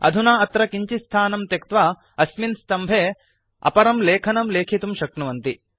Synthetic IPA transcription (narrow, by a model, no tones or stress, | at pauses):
ɐ̰d̪ʱunaːɐt̪ɾɐkiɲt͡ʃist̪ʰaːnɐmt̪ɐkt̪ʋa | ɐsminst̪ɐmbʱeː | ɐ̰pɐɾɐmleːkʰɐnɐmleːkʰit̪umʃɐkɳɐʋɐnt̪i